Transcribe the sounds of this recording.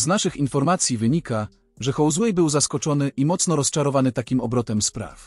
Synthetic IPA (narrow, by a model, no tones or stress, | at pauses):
znaʂɘxinfɔɾmat̪sʲjivɘɲika | ʐɛxɔwzwɛjbɘwzaskɔt͡ʂɔnɘʔimɔt̪snɔɾɔst͡ʂaɾɔvanɘt̪akʲimɔbɾɔt̪ɛmspɾa̰f